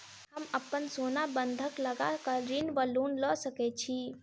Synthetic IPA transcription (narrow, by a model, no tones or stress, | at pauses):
həmɐpənsoːnabə̃nd̪ʱəkləɡakəɾɪnʋəluːnlɔːsəket͡ʃʰi